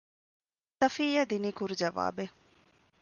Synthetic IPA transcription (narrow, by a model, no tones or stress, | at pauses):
səfijɛd̪inikʊɾd͡ʒəʋa̰ːbeː